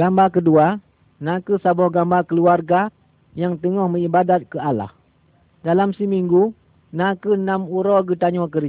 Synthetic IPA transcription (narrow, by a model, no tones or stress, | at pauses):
ɡambakədua | nãkəsabɔhɡambakəluarɡa | jaŋt̪əŋɔhməibadat̪̚kəala̰h | dalamsəmiŋɡu | nãkənãmuɾɔɡət̪aɲɔk̬ər